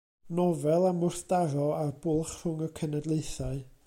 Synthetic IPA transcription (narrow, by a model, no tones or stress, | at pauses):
nɔvɛlˠamʊrθd̥aɾɔarbʊlˠχr̥ʊŋəkʰənɛdlˠejθaɨ